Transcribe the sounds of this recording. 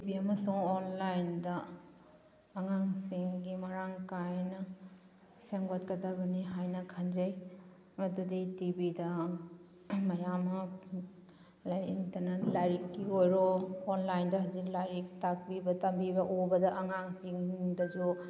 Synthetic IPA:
tibiɐmɐsuŋonlajndɐ | ŋaŋsiŋɡimɐɾaŋkajnɐ | seŋɡatkɐtaɡɐniɦajnɐkʰɐnd͡ʒɐj | mɐduditibidɐ | mɐjamɐ | laiŋtɐnɐlajɾikːiojɾɔːnlajndɐɦɐziklajɾik̚tak̚bibɐtɐmbibɐʔobɐdɐʔɐŋaŋsiŋdɐd͡ʒu

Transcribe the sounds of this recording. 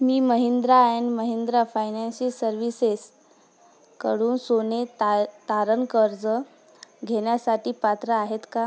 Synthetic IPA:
miːməɦind̪ɾaenməɦend̪ɾafajnanɕisəɾʋises | kə̰ɽuːnsonet̪aɾənkəɾd͡zə | ɡʱeɳjasaʈiːpat̪ɾəaɦet̪ka

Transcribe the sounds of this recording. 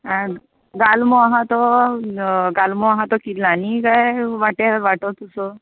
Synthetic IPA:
ã | ɡalmoaɦat̪ɔ | ɡalmoaɦãt̪ɔkit̪lanikajʋaʈaʋaʈɔt̪usɔ

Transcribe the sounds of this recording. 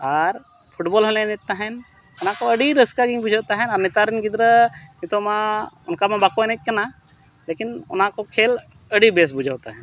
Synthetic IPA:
aːɾ | pʰʊʈboːlɦəlenɪt̪ːaɦɛn | ʊnãkoɐɽiɾəskaɡĩŋbʊd͡ʒʱawt̪aɦɛnaːɾnɪt̪aːɾɪnɡɪd̪ɾənɪt̪omãʊnkamãbakonet̪̚kɐna | leːkɪnʊ̰nɦãkokʰeːl | əɽibeːs̬bʊd͡ʒʱaːt̪aɦɛn

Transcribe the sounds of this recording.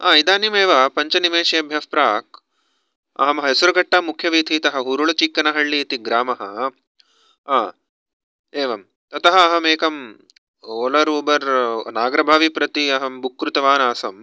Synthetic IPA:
aːid̪aːnimeːʋɐpɐɲt͡ʃɐnimeːʃijɐbʱjɐspɾaːk̚ | ɐ̰ɦɐmɐɦɐɦesuɾɐɡɐʈːɐmukʰːjɐʋiːt̪ʰit̪ɐɦɐ̆ɦuɾuɭɐt͡ʃikːɐnɐɦɐɭːiːt̪iɡɾaːmɐɦɐ̰ | aː | eːʋɐm | t̪ɐt̪ɐɦɐːɦɐmeːkɐm | oːlɐɾuːbɐɾnaːɡɾɐbʱaːʋipɾɐt̪iɐɦɐmbukːɾut̪ɐʋaːnaːsɐm

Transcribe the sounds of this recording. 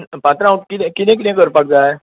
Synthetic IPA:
npãt̪ɾãkit̪ɛ̃kit̪ɛ̃k̬it̪ɛ̃kəɾpak̚d͡za

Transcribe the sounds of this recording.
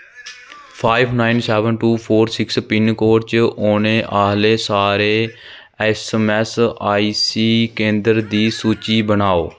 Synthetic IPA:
pʰaːibnaːinsɛːʋənʈuːpʰoːɾsɪkspɪnkoːɾt͡ʃoːnẽːʔaːɦleːsaːɾeː | ɛːsmɛːsaːiːsiːkẽːnd̪əɾd̪iːsuːt͡ʃiːbənaːo̰ː

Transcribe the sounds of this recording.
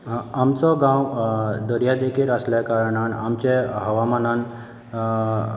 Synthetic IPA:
amt͡sɔɡãwd̪əɾjad̪ekʰiɾəsljakaɾɽ̃anamt͡ɕeɦəʋamanan

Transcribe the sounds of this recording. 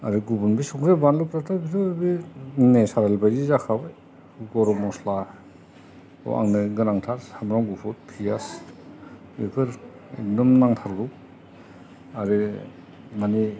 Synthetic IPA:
a̰ɾiɡubunbisuŋɾebanlupɾatʰabidɯbinesaɾalbajzizakʰabɯj | ɡɔɾɔmɔsla | o̰ʔa̰ŋnɯɡɯnaŋtʰaɾhamɾaŋɡupʰɔt̚pʰijas | bekʰɯɾ | ḛk̚dɔmnaŋtʰaɾɡɯw | aɾi | mani

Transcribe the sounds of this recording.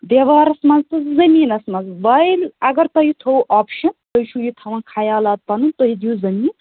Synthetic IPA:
d̪eʋaːɾɐsmɐnzt̪ɐzɐmiːnɐsmɐzbɐjlɐɡɐɾt̪ɐjit̪ʰowʔaːpʰʃɐnt̪ɐjt͡ʃʰujit̪ʰɐʋãːkʰaːjaːlaːd̪̚pɐnunt̪oɦid̪ijuzɐmiːn

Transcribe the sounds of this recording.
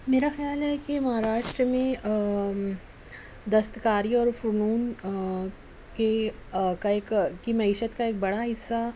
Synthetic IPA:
meɾaxəjalɛkiməɦaɾaʂʈɾəmẽ | d̪əst̪əkaɾiɔːɾfuɾɳ̃uːn | kekaekkimɐɦiɕət̪kaek̚bəɽaɦisa

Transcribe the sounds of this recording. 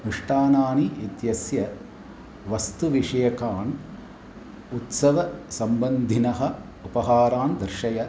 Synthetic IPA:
nuʂʈaːnaːniit̪jɐsjɐ | ʋɐst̪uʋiʂɐjɐkaːn | ut̪sɐʋɐsɐmbɐnd̪ʱinɐɦɐ | upɐɦaːɾaːnd̪ɐɾʃɐjɐ

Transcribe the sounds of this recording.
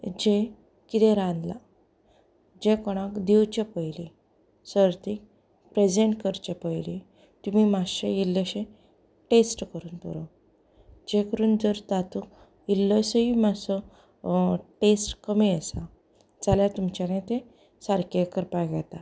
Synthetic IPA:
d͡ʑe | kit̪ẽɾãnd̪la | d͡ʑekɔɽ̃ãkd̪iwt͡ɕepəjli | səɾt̪i | pɾed͡ʑeɳʈkəɾt͡ɕepəjli | t̪umimaɕeilːəɕẽ | ʈesʈkəɾuːnpɔ̰ɾɔ | d͡ʑekəɾuːnd͡zəɾt̪at̪uk | ilːəsəimasɔ | ʈesʈkəmiəsa | d͡zaljat̪umt͡ɕanãt̪ẽ | saɾkekəɾpajɡat̪a

